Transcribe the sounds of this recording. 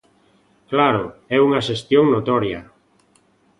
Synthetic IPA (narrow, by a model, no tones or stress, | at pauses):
klaɾʊɛuŋaʃest̪joŋnot̪ɔɾjɐ̰